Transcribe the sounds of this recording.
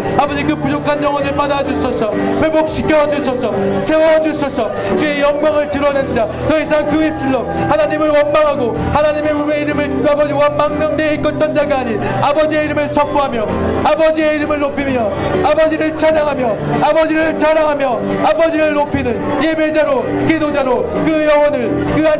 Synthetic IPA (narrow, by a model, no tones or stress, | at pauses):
abʌd͡ʑikɯpud͡ʑokʰanjʌŋwʌnɯɭpadad͡ʑus͈ʰʌsʰʌpebok̚ɕʰi̥kʰjʌwad͡ʑusʰʌsʰʌsʰe̞wʌad͡ʑus͈ʰʌsʰʌ | t͡ɕue̞jʌŋɡwaŋɯɭtɯɾʌnend͡ʑa | tʌisʰaŋkɯes͈ʰiɭːo | hanaɲimɯɭwʌnmaŋɦaɡo | hanaɲime̞eiɾɯmɯɭɯabʌd͡ʑiwʌnmaŋmʌŋneik͈ʌnt͈ʌnd͡ʑaɡaaɲi | abʌd͡ʑie̞iɾɯmɯɭsʰʌp͈ʰoɦamjʌ | abʌd͡ʑie̞iɾɯmɯɭːopʰimjʌabʌd͡ʑiɾɯɭt͡ɕaɾaŋɦamjʌ | abʌd͡ʑiɾɯɭt͡ɕaɾaŋɦamjʌ | abʌd͡ʑiɾɯɭːopʰinɯn | jebed͡ʑaɾo | kidod͡ʑaɾo | kɯjʌwʌnɯɭ | kɯa